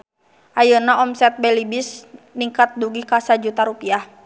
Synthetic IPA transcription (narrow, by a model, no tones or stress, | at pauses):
ʔajunaɔmsɛt̪̚bɛlibisniŋkat̪̚duɡikasad͡ʒut̪aɾupiah